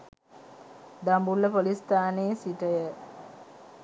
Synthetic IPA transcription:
d̪ambulːəpolist̪aːneːsiʈəjə

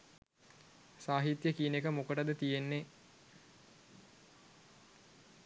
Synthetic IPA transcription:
saːɦit̪jəkiːnekəmokəʈəd̪ət̪ijenːe

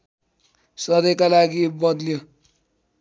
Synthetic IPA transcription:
sʌd̪ʌjkalaɡibʌd̪lijo

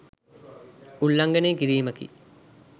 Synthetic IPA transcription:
uɭːɐŋɡɐneːkiɾiːmɐkḭ

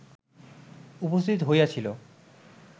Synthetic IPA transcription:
upost̪ʰit̪oɦojat͡ɕʰilo

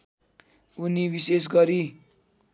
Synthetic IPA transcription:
unibises̬ɡʌɾi

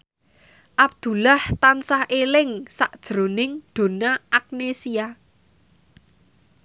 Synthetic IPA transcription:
ʔab̚d̪̥ṳlaht̪ansahelɪŋsaʔd̥ʒ̥ɾo̤nɪŋɖ̪̥o̤naʔak̚nesia

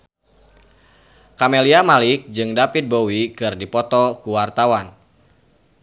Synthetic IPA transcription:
kameliamalɪk̚d͡ʒɨŋdapit̪̚bowikɨrdipɔt̪ɔkuwart̪awan

